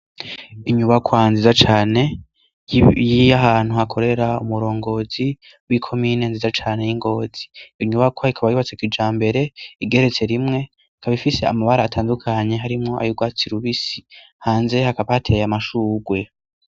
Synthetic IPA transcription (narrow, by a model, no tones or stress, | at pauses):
iɲuβakwanzizat͡ʃaːne̞ | jijaɦaːn̥huhakʰo̞ɾe̞ɾaṵmuɾo̞ːŋɡo̞ːzi | wikʰo̞mine̞nzizat͡ʃaːne̞jiŋɡo̞ːz̥iiɲuβakwaikʰaβajiβat͡sekid͡ʒaːmbe̞ɾe̞iɡe̞ɾe̞t͡se̞ɾimŋe̞ | kʰaβifise̞a̰maβaɾaːtʰaːndukʰaɲe̞ɦaɾimŋo̞ʔa̰juɡwaːt͡siɾuβisi | haːnze̞hakaβahatʰe̞jamaʃuːɡwe̞